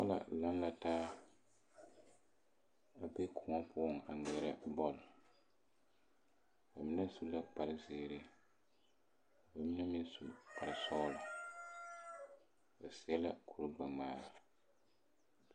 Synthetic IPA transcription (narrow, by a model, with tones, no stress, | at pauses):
ɔ̰˦la̰˨la˦n˦la˦taː˦ | a˨bɛ˦kʰʊ˨ŋɔ˦pʊ˦˨ŋ˨a˨ŋɛ˨ɾɛ˦bɔ˦l | ba˨mi˦nɛ˦su˦la˦pa˨ɾɨ˦ziː˨ɾɪ˦˨ | ba˨mi˦nɛ˦mi˦n˦su˨pa˨ɾsɔː˦lɔ˨ | ba˨si˦ɛ˦la˦kʰu˨ɾɡ͡ba˨maː˨ɾa˨